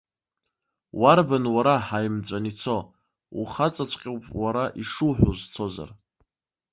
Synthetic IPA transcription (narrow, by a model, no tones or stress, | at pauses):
warbanwaɾaħajmt͡sʷʼanit͡sʰo̞ | ṵχat͡sʼat͡sʷʼqʲʼewpʼwaɾaʔiʂuħʷᶣozt͡sʰo̞za̰r